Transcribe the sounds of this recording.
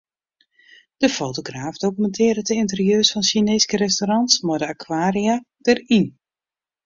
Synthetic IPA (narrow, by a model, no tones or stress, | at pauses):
d̥əfoːtoɡraːfdokymɛntʰɪːrɾətəɪntərjøːsfɔnsineːskəɾɛstoɾɑntsmɔdəakʰwaːrija | d̥ərin